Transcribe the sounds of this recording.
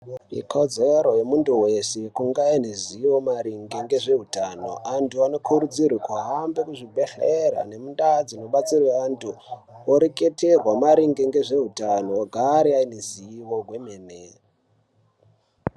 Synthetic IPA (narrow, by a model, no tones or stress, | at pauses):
ḭkʰo̞d͡zeɾo̞jemuntuwe̞se̞kuŋɡaineziiwo̞maɾiŋɡeŋɡe̞ʐe̞ɦutano̞̰ʔantʰuano̞kʰuɾud͡zirwikuɦambekuʐibʱe̞ɬeɾa̰ne̞mundad͡zino̞ɓat͡sirweʋantʰu | oɾeke̞terwamaɾiŋɡeŋɡe̞ʐe̞ɦutanooɡʱaɾiaineziiwoɡwe̞meːne